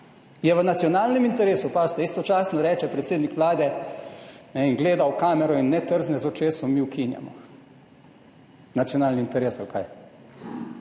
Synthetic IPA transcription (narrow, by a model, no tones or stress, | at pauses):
jɛʋənat̪sjɔnaːlnɛmint̪ɛɾeːsupaːst̪ɛist̪ɔt͡ʃaːsnɔɾɛːt͡ʃɛpɾɛt̪seːd̪nikʋlaːd̪ɛ | nɛinɡleːd̪awkaːmɛɾɔinːɛt̪əɾznɛzɔt͡ʃeːsɔmiːwkinja̰mɔ̰ | nat̪sijɔnaːlniːnt̪ɛɾeːsalka̰j